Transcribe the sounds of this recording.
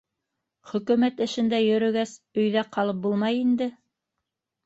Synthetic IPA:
χɵ̆kʉ̆mæt̪ɘ̆ʃɘ̆nd̪æjɵ̆ɾɵ̆ɡæsɵ̆jðæqɑlˠɤp̚bulˠmɑjind̪ɘ

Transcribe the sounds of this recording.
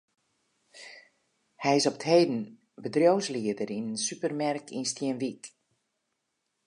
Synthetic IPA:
hɛjɪsɔpə̥theːdn̩ | bədrjowsliədəɾinənsypərmɛrkʰinstjiənʋik

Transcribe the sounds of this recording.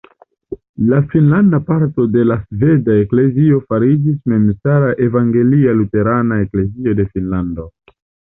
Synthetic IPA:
lafinlandapaɾto̞de̞lasve̞daekle̞zio̞faɾid͡ʒisme̞msaɾaʔe̞vaŋɡe̞lialute̞ɾanae̞kle̞zio̞de̞finlando̞

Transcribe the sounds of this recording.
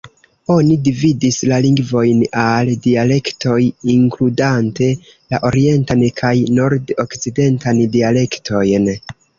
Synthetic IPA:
o̞nidividislaliŋɡvo̞jnaldiale̞ktʰo̞jiŋkludante̞ | la̰ʔo̞ɾie̞ntankʰajno̞ɾdokt͡side̞ntandiale̞ktʰo̞jn

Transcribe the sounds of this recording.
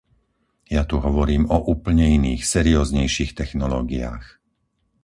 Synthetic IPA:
jat̪uɦɔʋɔɾiːmɔʔuːpl̩ɲɛiniːxsɛɾiɔːzɲɛjʃiːxt̪ɛxnɔlɔːɡia̰ːx

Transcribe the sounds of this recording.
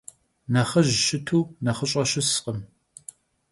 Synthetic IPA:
nɐχɐʒʃɪtʰuːnɐχəɕʼɐɕɪsqʼəm

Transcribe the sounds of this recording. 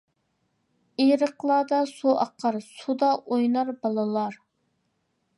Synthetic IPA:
eɾəqlˠɑːd̪ɑsuʔɑ̰qʰɑɾsud̪ɑʔojnɑɾbɑlˠɨlˠɑɾ

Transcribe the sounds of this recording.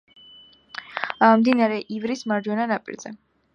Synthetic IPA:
amd̪inaɾɛʔivɾismaɾd͡ʒwɔnanapʼḭɾzɛ

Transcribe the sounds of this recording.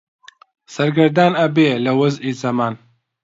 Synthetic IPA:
sɐɾɡɐɾd̪aːnɐbeːlɐwɐzʔiːzɐmaːn

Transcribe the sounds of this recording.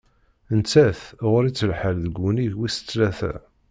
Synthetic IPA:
ənt͡sːæθʁʊɾit͡sːəlħəlðəɡuniʝwisə̥t͡sːlæθæ̰

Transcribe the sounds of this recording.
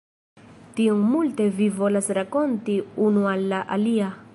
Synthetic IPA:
tioŋmulte̞vivo̞lasɾako̞ntiunualːaʔa̰lia

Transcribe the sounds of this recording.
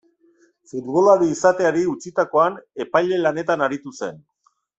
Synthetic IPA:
fud̪βo̞laɾiːsat̪e̞aɾiut͡sit̪ako̞ane̞pajle̞lane̞t̪anaɾit̪use̞n

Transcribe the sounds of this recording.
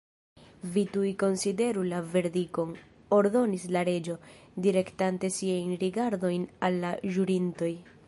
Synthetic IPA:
vitujko̞nside̞ɾulave̞ɾdiko̞n | o̞ɾdo̞nislaɾe̞d͡ʒo̞diɾe̞ktante̞siajnɾiɡaɾdo̞jnalːaʒuɾinto̞j

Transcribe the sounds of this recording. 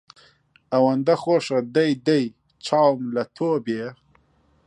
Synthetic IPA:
awɐnd̪axoːʂɐd̪ajd̪aj | t͡ʃʰɑːwmlat̪ʰoːbeː

